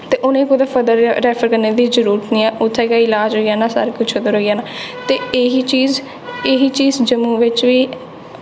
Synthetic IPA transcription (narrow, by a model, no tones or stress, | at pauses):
t̪eːʔʊnẽːkʊd̪eːfəd̪əɾɾɛːfʰəɾkəɾneːd̪iːzəɾuːɾət̪nĩːɛːʔʊt̪ʰːɛːkaɪlaːd͡ʒɦoːijaːnaːsa̰ːɾekʊt͡ʃʰəd̪əɾɦoːijaːnaːt̪eːɦiːt͡ʃiːz | eɦiːt͡ʃiːzd͡ʒəmũːʋɪt͡ʃʋiː